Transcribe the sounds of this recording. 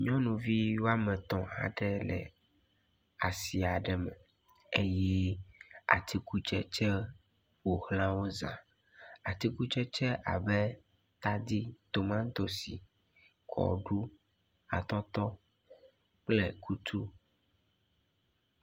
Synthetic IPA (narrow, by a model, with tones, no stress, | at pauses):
ɲɔ̃˦nũ˨vi˦wo˦a˦mɛ̃˨t̪ɔ̃˨a̰˨ɖɛ˦lɛ̰˨ | a˨si˨a˨ɖɛ˨mɛ̃˨ | e˦jɛ˦ | a̰˨t̪ʰi˦ku˦t͡ʃɛ˦t͡ʃɛ˦ | wo˨hlã˦wo˦zã̰˨ | a˨t̪i˦ku˦t͡ʃɛ˦t͡ʃɛ˦ʔa̰˨bɛ˦ | t̪a˦d̪i˦t̪o˨mã˦ŋ˦t̪o˨si˨ | kʰɔ̰˨ɖu˦ | a̰˨t̪ɔ˦t̪ɔ˦ | k͡plɛ˦kʰu˦t̪ʰu˦